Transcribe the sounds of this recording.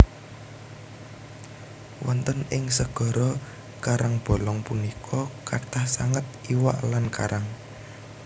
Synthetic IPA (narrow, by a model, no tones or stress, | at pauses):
wʔɔnt̪ənɪŋsəɡ̥ɔ̤ɾɔ | kaɾaŋb̥ɔ̤lɔŋpunikʰɔkart̪ahsaŋət̪̚iwa̰ʔlanka̰ɾaŋ